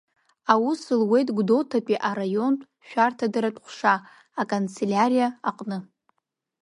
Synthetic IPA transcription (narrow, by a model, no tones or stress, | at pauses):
awusɨlwe̞jtʼɡʷdo̞ltʰapʼiʔarajo̞nʼ | ʃᶣartʰadɨɾatʼχʷʂaː | kʼont͡sʰelʲaɾijaaqʼnɨ